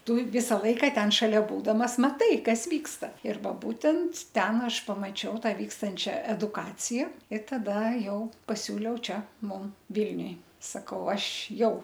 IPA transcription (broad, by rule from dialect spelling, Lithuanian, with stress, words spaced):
ˈtʊ ˈʋʲɪsɐ ˈlˠɐɪkɐ ˈtʲɛn ʃɐˈlʲɛ ˈbuːdɐmɐs mɐˈtɐɪ ˈkɐs ˈʋʲiːkstɐ ɪr ˈʋɐ ˈbuːtʲɛnt ˈtʲɛn ˈɐʃ pɐmɐˈt͡ʃʲɛʊ ˈtɑː ˈʋʲiːkstɐnʲt͡ʃʲɛ ɛdʊˈkɑːt͡sʲɪjɛ ɪ tɐˈdɐ ˈjɛʊ pɐˈsʲuːlʲɛʊ ˈt͡ʃʲɛ ˈmʊm ˈʋʲɪlʲnʲʊj sɐˈkɐʊ ˈɐʃ ˈjɛʊ